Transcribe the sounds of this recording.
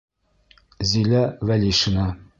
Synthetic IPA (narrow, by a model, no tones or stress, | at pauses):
zilæwælʲiʃɤ̆nɑ